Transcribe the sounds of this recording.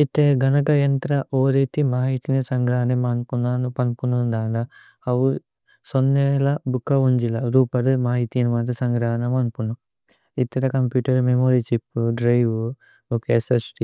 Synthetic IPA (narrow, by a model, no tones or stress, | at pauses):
it̪ːeːɡʱɐnɐkɐjɐnt̪ɾɐʔoːɾet̪imaːɦit̪inisɐŋɡɾaːɦɐnemanpunaːnupɐnpunund̪aːlɐ | ɐʋu | sonːeːlɐbukːɐuɲd͡ʒilɐɾuːpɐɾumaːɦit̪iniʋɐnt̪ɐsɐŋɡɾaːɦɐnɐmɐnpunu | it̪ːɐɾɐkɐmpjuːʈɐɾmemoːɾit͡ʃipːuɖɾɐjʋu | okeːsesʈi